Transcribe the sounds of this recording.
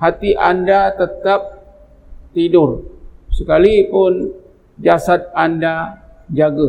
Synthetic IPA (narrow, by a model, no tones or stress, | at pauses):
hat̪iʔandat̪ət̪ap̚ | t̪idʊrsəkalipʊn | d͡ʒasat̪̚andad͡ʒaɡə